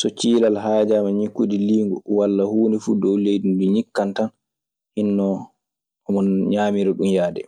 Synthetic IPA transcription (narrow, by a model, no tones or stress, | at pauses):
sɔt͡ʃiːlalɦaːd͡ʒamaɲikːudiliːŋɡɔwalːahuːnɛfudɔwlejdinduɲikːantan | hinːɔ | ɔmɔnɲaːmiɾɛɗumjaːdɛ̰